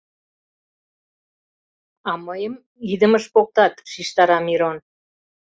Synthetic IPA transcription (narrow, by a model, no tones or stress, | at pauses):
ɑməjəm | id̪əməʃpok̚t̪ɑt̪ʃiʃt̪ɑɾɑmiɾon